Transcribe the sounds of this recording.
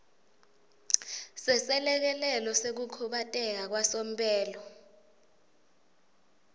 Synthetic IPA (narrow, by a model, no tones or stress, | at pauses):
sɛsɛlɛk̬ɛlɛlɔsek̬ukʰuɓatʼɛk̬ak̬wasom̩pʼɛːlɔ